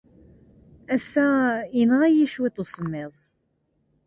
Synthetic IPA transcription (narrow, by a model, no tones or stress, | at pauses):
æsːæənʁæjiʃwit̪ːosˤəmːɪðˤ